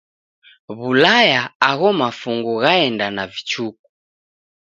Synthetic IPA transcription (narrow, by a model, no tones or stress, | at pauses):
βulajaːɣɔmafuŋɡuɣaɛndanavit͡ʃuk̚u̥